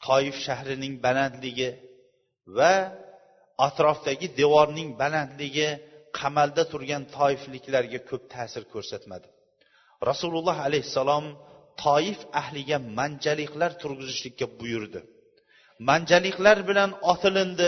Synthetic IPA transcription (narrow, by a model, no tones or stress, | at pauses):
t̪ʰɒjɪfʃahɾɪnɪŋbalant̪lɪɡʲɪ | va | at̪ɾɒfd̪aɡʲɪd̪e̞vɒɾnɪŋbalant̪lɪɡʲɪqʰamald̪at̪ʰʊɾɡʲant̪ʰɒɪflɪkʲlaɾɡʲakʲʰɵp̚t̪ʰaːsɪɾkʲʰɵɾsat̪mad̪ɪ | ɾasulˠʊlˠːɑɦalajhsːalˠɒmt̪ʰɒjɪfahlɪɡʲamand͡ʒalɪqlaɾt̪ʰʊɾɡʲʊzɪʃlɪkʲːabʊjʊɾd̪ɪ | mand͡ʒalɪqlaɾbɪlanɒt̪ʰɪlɪnd̪ɪ